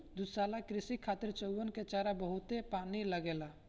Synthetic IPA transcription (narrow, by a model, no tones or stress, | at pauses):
d̪ʊd̪saːlakɾɪsikʰaːt̪ɪɾt͡ʃəwwənket͡ʃaːɾabəɦʊt̪epaːniləɡeːlaː